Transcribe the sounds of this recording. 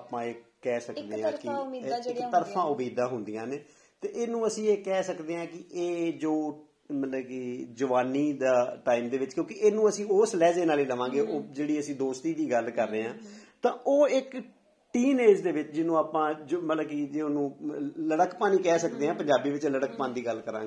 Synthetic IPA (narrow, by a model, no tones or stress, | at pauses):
aːpãːeːkɛːsəkd̪eːɦãːkɪɪkt̪əɾfʰãːʊmiːd̪ãːɦʊnd̪ijãːneː | t̪eːʔeːnũːəsĩːeːkɛːsəkd̪eːɦãːkɪʔeːd͡ʒoː | mət̪ləbkiːd͡ʒəʋaːniːd̪aːʈaːiːmd̪eːʋɪt͡ʃkjõːkieːnũːəsĩːoːslɛːzeːnaːliːləʋãːɡeːʔoːd͡ʒeːɽiːəsĩːd̪oːst̪iːd̪iːɡəlkəɾːeːãːt̪ãːʔoːɪk | ʈiːneːd͡ʒd̪eːʋɪt͡ʃd͡ʒɪnũːaːpãːd͡ʒomət̪ləbkiːd͡ʒeːʊnũːləɽəkpaːniːkɛːsəkd̪eːɦãːpəɲd͡ʒaːbiːʋɪt͡ʃləɽək̚paːnːd̪iːɡəlkəɾã̰ːɡ